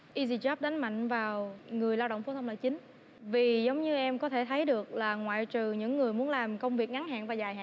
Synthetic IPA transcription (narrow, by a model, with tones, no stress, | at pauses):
ʔi˧zi˧˩t͡ɕɔ˦˥p̚ɗa˨˦ŋ̟ma̰˧˨jŋ̟vaː˨˩wŋɨ˨˩əjlaː˧wɗə̰˧˨wŋ͡mfo˨˦t̪ʰwlaː˧˨˩t͡ɕï˨˦ŋ̟ | vi˨˩zə˨˦wŋ͡mɲɨ˧ʔɛ˧mkɔ˨˦t̪ʰe˧˩t̪ʰə˨˦jɗɨ˨˩ək̚laː˨˩ŋwa̰ː˧˨jt͡ɕɨ˨˩ɲɨ̰˧˥ŋːɨ˨˩əjmu˨˦ənlaː˨˩mkə˧wŋ͡mvi˨˩ək̚ŋa˨˦ŋɦa̰ː˧˨nvaː˨˩zaː˨˩jɦa̰ː˧˨